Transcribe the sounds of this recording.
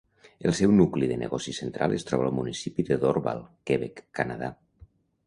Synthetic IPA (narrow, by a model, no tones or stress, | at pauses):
əlˠsɛwnukliðənə̰ɣɔsisent̪ɾalˠest̪ɾɔβalˠmunisipiðəðoɾβa̰lˠkeβɛkːanaða̰